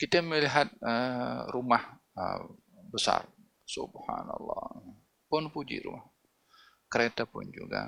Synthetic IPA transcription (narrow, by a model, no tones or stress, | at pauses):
kit̪əməliɦat̪̚ərumahə̰ | bəsa̰r | subhanɑlːɑ | pʊnpud͡ʒḭɾṵmah | kəɾet̪apʊnd͡ʒṵɡa̰